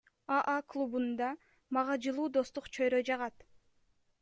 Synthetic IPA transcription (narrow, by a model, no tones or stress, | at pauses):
aʔaklˠubund̪ɑ | mɑʁɑd͡ʒɯlˠuːd̪o̞st̪uqt͡ʃʰøjɾød͡ʒɑʁɑt̪